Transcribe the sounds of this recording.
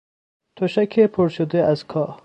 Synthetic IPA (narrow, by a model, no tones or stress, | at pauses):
t̪ʰoʃækʰepʰoɾʃod̪eʔæzkʰɒː